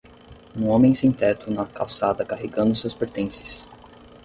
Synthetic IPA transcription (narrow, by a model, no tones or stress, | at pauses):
ũõmẽj̃sẽt̪ɛt̪ʊnɐkawsad̪ɐkaɦeɡɐ̃nd̪ʊsewspeɾt̪ẽsɪ̥s